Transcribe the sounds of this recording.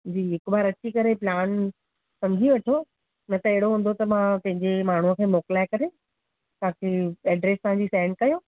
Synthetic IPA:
d͡ʑiːɦɪkbaːɾɐt͡ɕikɐɾeplaːn | sɐ̃md͡ʑʱiʋɐʈʰioː | nɐt̪ɐeɦɽoɦũːnd̪ot̪ɐmãpɐ̃ɦɪ̃ɲd͡ʑemaːɳ̤uəkʰeːmoːklaːɪkɐɾe | t̪ɐãkʰeːɛːɖɾeːst̪ɐɦãɲd͡ʑiːsɛ̃ːɳɖ̚kɐjo

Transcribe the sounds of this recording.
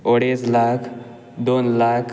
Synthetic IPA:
oɽeslakʰ | d̪onlakʰ

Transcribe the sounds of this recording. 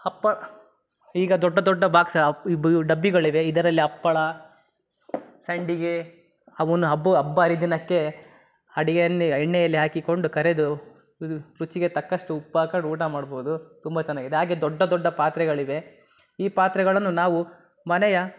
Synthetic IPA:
ɐpːɐɭ | iːɡɐd̪ɔɖːɐd̪ɔɖːɐbʱaːɡsɐɖɐbːiɡɐɭiʋe̞id̪ɐɾɐlːiɐpːɐɭɐ | sɐɳɖiɡe | ɐʋɐnːuɦɐbːuɐbːaːɾid̪inɐkːe̞ | ɐɽiɡɐnːiɛɳːɛjɐlːiɦaːkiko̞ɳɖukɐɾed̪u | ɾut͡ʃiɡe̞t̪ɐkːɐʂʈuːpːaːkɐɖuːʈamaːɽboud̪ut̪umbɐt͡ʃɛnːaːɡid̪eɦaːɡed̪ɔɖːɐd̪ɔɖːɐpaːt̪ɾɛɡɐɭiʋe̞ | iːpaːt̪ɾɛɡɐɭɐnːunaːʋu | mɐnɛjɐ

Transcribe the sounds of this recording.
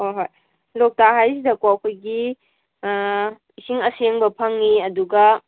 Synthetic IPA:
hojɦoj | lok̚taɦajsidɐkwawkʰojɡi | isiŋɐseŋbɐpʰɐŋːiɐduɡɐ

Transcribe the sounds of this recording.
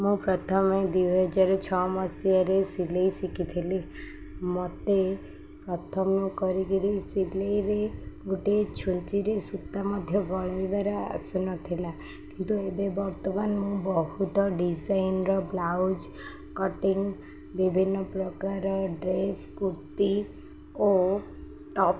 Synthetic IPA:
mũpɾɔt̪ʰɔmed̪iwɦɔd͡ʒaɾɔt͡ʃʰɔmɔsiaɾesilejsikit̪ʰili | mɔt̪e | pɾɔt̪ʰɔmukɔɾikiɾisilejɾeɡuʈet͡ʃʰunt͡ʃiɾesut̪ːamɔd̪ʱjɔɡɔɭajbaɾɔa̰sɔnɔt̪ʰila | kint̪uebebɔɾt̪ɔmanmũbɔɦut̪ɔɖisajnɾɔblawd͡ʒ | kɔʈiŋ | bibʱinːɔpɾɔkaɾɔɖɾeskuɾt̪i | o | ʈɔp

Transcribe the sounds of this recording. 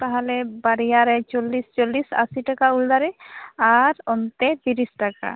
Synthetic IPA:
paɦalɛbaɾijaɾɛt͡ʃɔlːist͡ʃolːisa̰siʈakauld̪aɾɛaɾɔnt̪ɛt̪iɾisʈaka̰

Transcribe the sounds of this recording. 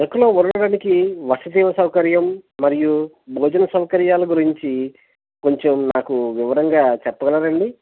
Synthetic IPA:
ekːɐloːuɾɐɽɐɽaːnikiʋɐsɐd̪iːʋɐsɐwkɐɾjɐmːɐɾiju | bʱɔːd͡ʒɐnɐsɐwɐkɐɾjaːlɐɡuɾiɲt͡ʃi | ko̞ɲt͡ʃemnaːkuʋiʋɐɾɐŋɡaːt͡ʃɛpːɐɡɐlaːɾɐɳɖi

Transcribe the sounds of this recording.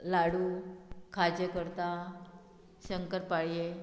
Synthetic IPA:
laɽukʰad͡ʑəkəɾt̪a | ɕəŋkəɾpaɭije

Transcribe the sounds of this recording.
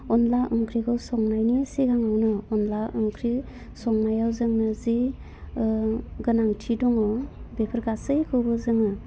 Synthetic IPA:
ɔnlaʔɯŋkʰɾiɡʰɯsɔŋnajnisiɡaŋawnɯɔnlaɯŋkʰɾi | sɔŋnajawzɯŋnɯzi | ɡɯnaŋtʰidɔŋɔbepʰəɾɡasɯjkʰɯbɯzɯŋɯ

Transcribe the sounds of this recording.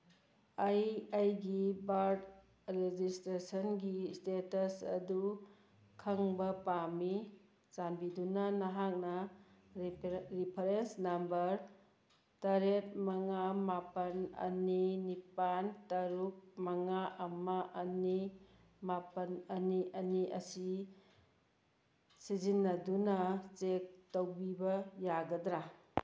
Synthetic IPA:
ajajɡibaɾd | ɾed͡ʒistɾesɐnɡistetɐsɐ̰du | kʰɐŋbɐpami | sanbidunɐnɐɦak̚nɐ | ɾipʰɐɾensnambɐɾ | tɐɾet̚mɐŋamapɐnɐ̰ninipantɐɾuk̚mɐŋaʔɐmɐʔɐni | mapɐnɐniʔɐniɐsi | sizinːɐdunɐt͡ʃek̚towbibɐjaɡɐdɾa

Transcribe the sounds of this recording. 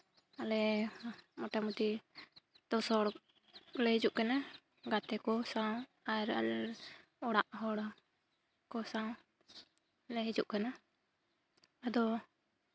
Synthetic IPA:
alɛ | mɔʈamut̪i | t̪ɔsɔɽ | lɛɦid͡ʒuʔkana | ɡat̪ɛkɔsaw | aɾa̰lɛ | ɔɽaʔɦɔɽa | kɔsaw | lɛɦid͡ʒuʔkana | ad̪ɔ

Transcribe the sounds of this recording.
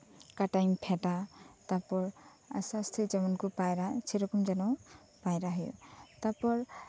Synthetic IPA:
kaʈajmpʰɛtat̪apɔɹ | a̰sast̪ʰejd͡ʒɔmɔnkupajɾat͡ʃʰiɾɔkɔmd͡ʒanɔ | pajɾaɦɔjṵt̪apɔɹ

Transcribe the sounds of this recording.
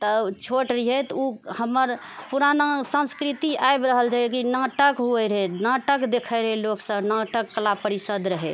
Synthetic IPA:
t̪ət͡ʃʰoʈɾiɦɛt̪uhəmːəɾ | puɾanasə̃nskɾit̪iaebɾəɦəld͡ʒakinaʈəkɦuɛɾɦɛnaʈəkd̪ekʰəɾəɦɛloksə̃bnaʈəkːəlapəɾisəd̪ɾəɦɛ̰

